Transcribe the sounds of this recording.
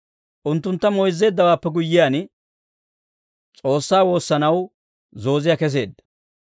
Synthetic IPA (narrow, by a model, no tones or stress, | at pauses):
ʔʊnt̪ːʊnt̪ːɐmɔjɪzːe̞ːd̪ːɐwaːpːɛɡʊjːɪjaːn | t͡sʼo̞ːsːaːwo̞ːsːɐnɐw | zo̞ːzɪjaːkɛs̬e̞̰ːd̪ːɐ̥